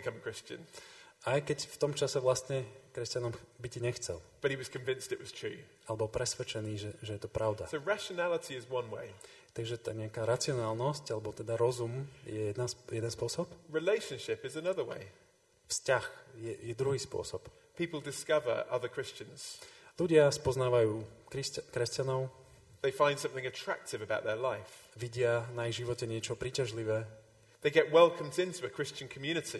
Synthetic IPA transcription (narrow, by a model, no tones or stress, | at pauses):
bɪkʰʌ̃məkʰɹ̥ɪst͡ʃə̰̃nʔajkɛcft̪ɔmt͡ʃasɛʋlast̪ɲɛkɾɛscanɔmbiɟiɲɛxt͡sɛ̰lˠb̥ʌt̚hiwɒz̥kʰə̃ɱvɪ̃nstɪʔwɒz̥tʰɹ̥ʉ̰ː | alɛbɔlpɾɛsʋɛt͡ʃɛniːʒɛʒɛjɛt̪ɔpɾaʊd̪asoʊɹaʃənalətʰiɪzwʌ̃nwḛɪ | t̪aɡʒɛt̪aːɲɛakaːɾat͡sɪɔnaːlˠnɔscalɛbɔt̪ɛd̪aɾɔzumjɛjɛd̪nasjɛd̪ɛnspʊɔsɔpɹɪleɪʃə̃nʃɪpɪzənʌðəwḛɪ | fscaxjɛjɛd̪ɾuɦiːspʊɔ̰sɔp | pʰiˑpəl̩ˠdɪskʌvə̰˞ʔʌ̰ðəkʰɹ̥ɪst͡ʃə̃nz̥luɟɪaspɔznaːʋajuːkikɾɛscanɔʊ | ðeɪfãɪ̃nd̥sʌ̃mθɪ̃ŋɨtʰɹ̥a̰k̚tɪvəbaʊʔ̪̚ðəlaɪfʋiɟɪanaiʒiʋɔcɛɲɪɛt͡ʃɔpɾiːcaʒliʋɛː | ðeɪɡɛʔ̚wɛlˠkʰə̃mdɪ̃ntʰuəkʰɹ̥ɪst͡ʃə̃nkʰəmjʉñɨtʰi